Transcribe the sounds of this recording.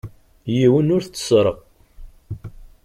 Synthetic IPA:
jiwənʊɾθt͡sːə̥sˤɾˤəq

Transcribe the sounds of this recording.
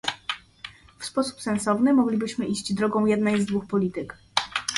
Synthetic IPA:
fspɔsu̥psɛnsɔvnɘmɔɡlʲibɘɕmɘʔiɕd͡ʑd̪ɾɔɡɔ̃w̃jɛd̪nɛjzd̪vuxpɔlʲit̪ɘk

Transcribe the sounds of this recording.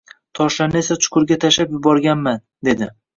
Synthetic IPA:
t̪ʰɒʃanɪe̞sat͡ʃʰʊ̥qʰʊɾɡʲat̪ʰaʃapjʊbɒɾɡʲanman | d̪e̞d̪ɪ

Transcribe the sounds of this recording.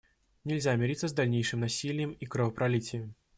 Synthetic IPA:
nʲɛlʲzʲamʲɛɾʲit̪sːɐzd̪alʲnʲejʂɨmnasʲilʲjɛmikɾɐvɐpɾalʲit͡sʲjɛ

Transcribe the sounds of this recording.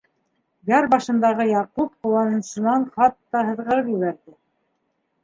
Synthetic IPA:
ɡɑɾbɑʃɤ̆nd̪ɑʁɤjɑqupqŭwˠɑnɤ̆nsɤ̆nɑɴχɑt̪ːɑɦɤ̆ðʁɤ̆ɾɤpjɘ̆βæɾðɘ

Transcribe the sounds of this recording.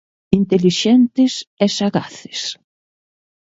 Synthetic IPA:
int̪eliʃɛnt̪ɪsɛsaɣaθɪ̥s

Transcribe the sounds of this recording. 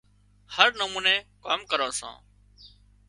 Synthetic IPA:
həɾnəmuːnẽːkaːmkəɾãːsã̰ː

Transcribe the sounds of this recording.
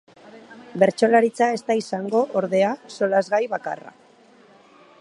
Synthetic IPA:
be̞ɾt͡ʃo̞laɾit͡sae̞st̪aisaŋɡo̞ʔoɾðe̞aso̞lazɣajβaka̰ra̰

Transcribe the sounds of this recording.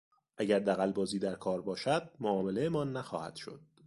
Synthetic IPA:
ʔæɟæɾd̪æɣælbɒːziːd̪æɾkʰɒːɾbɒːʃæd̪̚moʔɒːmelejemɒːnːæxɒːhæ̰d̪̥ʃo̞̰d̪̥̚

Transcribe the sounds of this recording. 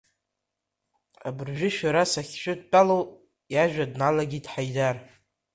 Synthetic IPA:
abɨrʒᶣɪʃᶣaɾasaχʲʃʷᶣʊdpʼalow | jaʒᶣadnalaɡʲidħajdar

